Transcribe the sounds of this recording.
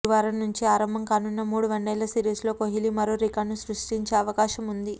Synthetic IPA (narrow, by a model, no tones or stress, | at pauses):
ʋaːɾɐmnuɲt͡ʃiaːɾɐmbʱɐmkaːnunːɐmuːɽuʋɐɳɖɛːlɐsiːɾiːslo̞ːkoɦilimɐɾoːɾikaːɖnusɾuʂʈiɲt͡ʃe̞ːɐʋɐkaːʃɐmund̪i